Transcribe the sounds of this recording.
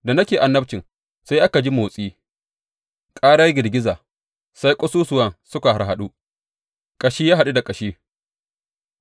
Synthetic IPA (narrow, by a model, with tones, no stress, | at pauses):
da˨nɐ˦kʲeː˨ʔa˨nːɐ˦bt͡ʃɪ˨ŋ | sa˦jʔa˦ka˨d͡ʒi˦moː˨sʼiː˦ | kʼaː˦ɽa˦ɡʲɪ˨ɾɡʲɪ˦zaː˨ | sa˦jkʷʼɔ˦suː˦sʊ˨wɐ˦nsʊ˦ka˨ha˨ɾɦa˨ɗu˦ | kʼɐ˨ʃiː˦jaː˦ɦa˨ɗu˦da˨kʼɐ˨ʃiː˦